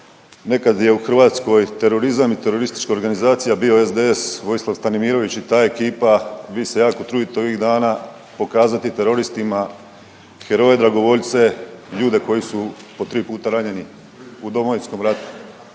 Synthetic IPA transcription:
ne̞kad̪je̞uxr̩ʋaːt̪sko̞jt̪e̞ɾo̞ɾizamit̪e̞ɾo̞ɾist̪i̥t͡ʃkaoɾɡanizaːt̪sijabio̞ezd̪eesʋo̞jislˠaʋst̪animiːɾo̞ʋit͡ɕit̪aːekiːpabise̞jaːkot̪ɾuːd̪it̪o̞ʋiɣd̪aːna | po̞kaːzat̪it̪e̞ɾo̞ɾist̪ima | xe̞ɾo̞ːje̞d̪ɾaɡo̞ʋo̞ʎt̪se̞ʎuːd̪e̞ko̞jisupo̞t̪ɾiːpuːt̪aɾaɲe̞ni | ud̪o̞moʋisko̞mɾat̪u̥

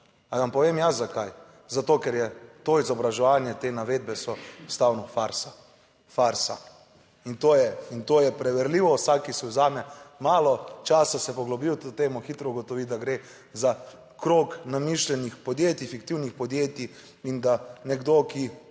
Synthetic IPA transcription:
aʋampɔʋemjazakaj | zat̪oːkɛɾjɛt̪oizɔbɾaʒɛʋaːnjɛt̪enaʋed̪̚bɛsɔst̪awnɔfaɾsa | faɾsa̰ | int̪oːjɛint̪oːjɛpɾɛʋɛɾliːʋɔsakːisɛuzaːmɛmaːlɔt͡ʃaːsasɛpɔɡlɔbiwt̪ot̪eːmɔxit̪ɾɔuɡot̪ɔʋid̪aɡɾe | za | kɾoːknamiʃlʲɛnixpɔd̪jeːt̪ifikt̪iwnixpɔd̪jeːt̪i | ind̪anɛɡd̪oki

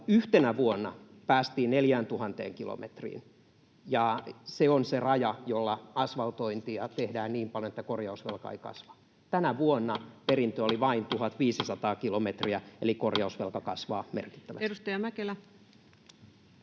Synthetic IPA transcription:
yht̪enæʋuonːɑpæːst̪iːnneljæːnt̪uhɑnt̪ḛːŋkilo̰mʔḛt̪rḭːn | jɑseonserɑjɑjolːɑɑsʋɑlt̪oint̪iɑt̪ehdæːnniːmpɑljonet̪ːækorjɑusʋḛlkɑ̰ḛikɑ̰sʋɑ̥ | t̪ænæʋuonːɑperint̪øoliʋɑint̪uhɑt̪ʋiːsisɑt̪ɑːkilomet̪riæelikorjɑusʋelkɑkɑsʋɑ̰ːmḛrki̥t̪ːæʋæ̰edust̪ɑjɑmækelæ

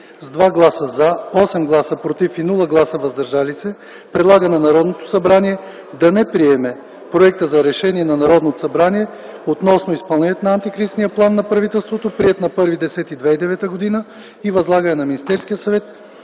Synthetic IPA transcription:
zd̪vaɡlˠasəzaɔsɛmɡlˠasəpɾot̪ifinulˠəɡlˠasəvɐzd̪ɐɾʒalisɛ | pɾɛd̪lˠaɡənɛnɐɾɔd̪not̪o̥sɐbɾaniɛ | d̪ɐnɛpɾiɛmɛ | pɾoɛk̚t̪əzɐɾɛʃɛniɛnɐnɐɾɔd̪not̪o̥sɐbɾaniɛ | ot̪nɔsnoispɐlˠnɛniɛt̪onɐɐnt̪ikɾisnijəplˠanːɐpɾɐvit̪ɛlˠst̪vot̪opɾiɛt̪nɐpɤɾvid̪ɛsɛt̪id̪vɛid̪ɛvɛt̪əɡod̪inə | ivɐzlˠaɡənɛnɐminist̪ɛɾskijəsɐvɛt̪̚

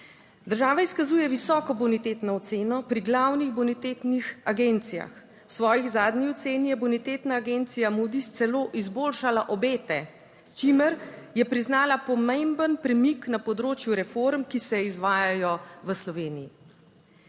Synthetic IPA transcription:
d̪əɾʒaːʋaiskazuːjɛʋisɔːkɔbunit̪eːt̪nɔɔt̪seːnɔpɾiɡlawniɣbunit̪et̪nixaɡent̪sija̰x | wsʋɔːjiɣzaːd̪niɔt̪seːnijɛbunit̪eːt̪naːɡent̪sijamuːd̪ist̪sɛloːʔizboːlʃalaʔɔbeːt̪ɛ | st͡ʃimɛɾjɛpɾiznaːlapɔmembənpɾɛmiknapɔd̪ɾoːt͡ʃjuɾɛfoɾmkisɛizʋaːjajɔʋəslɔʋeːniji

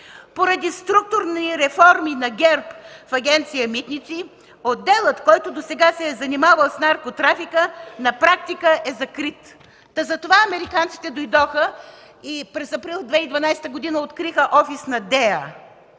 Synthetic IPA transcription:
poɾɐd̪ist̪ɾuk̚t̪ʊɾniɾɛfɔɾminɐɡʲɛɾpfɐɡʲɛnt̪sijəmit̪nit̪si | od̪ːɛlˠət̪kɔjt̪ʊd̪osɛɡasɛzɐnimavəlˠsnaɾkot̪ɾafikənɐpɾak̚t̪ikəʔɛzɐkɾit̪ː | ɐzɐt̪ovaɐmɛɾikant̪si̥t̪ɛd̪ojd̪ɔxə | ipɾɛsɐpɾilˠd̪vɛid̪vɐnajsɛ̥t̪əɡod̪inəot̪kɾixəʔɔfisnɐd̪ɛə

